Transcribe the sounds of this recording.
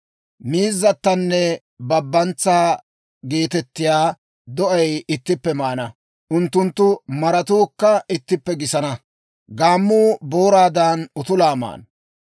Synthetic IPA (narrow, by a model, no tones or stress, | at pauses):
miːzːɐt̪ːɐnːɛ | bɐbːɐnt͡sːaː | ɡe̞ːt̪ɛt̪ːɪjaː | d̪ɔʔɐjɪt̪ːɪpːɛmaːnɐ | ʔʊnt̪ːʊnt̪ːʊmɐɾɐt̪uːkːɐɪt̪ːɪpːɛɡɪsɐnɐ | ɡaːmːuːboːɾaːd̪aːnʊt̪ʊlaːma̰ːn